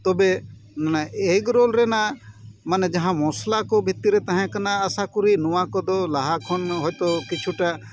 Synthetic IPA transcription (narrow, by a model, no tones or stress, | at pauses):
t̪obennaeːkɾoːlɾeːnamɐnd͡ʒɐɦãmoːslakobʱɪt̪ːiɾet̪əɦẽkənaəsãkʊɾinʊʋãkod̪olaɦakʰonɦojt̪okɪt͡ʃʰuʈa